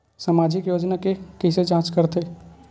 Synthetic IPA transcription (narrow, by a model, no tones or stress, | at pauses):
samaːd͡ʒɪkjoːd͡ʒnakekɪsed͡ʒãːt͡ʃkəɾt̪eː